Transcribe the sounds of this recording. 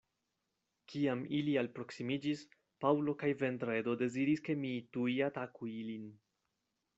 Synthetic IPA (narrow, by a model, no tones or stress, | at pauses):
kʰiamilialpɾo̞ksimid͡ʒis | pawlo̞kajve̞ntɾedo̞de̞ziɾiske̞mituiatakuilin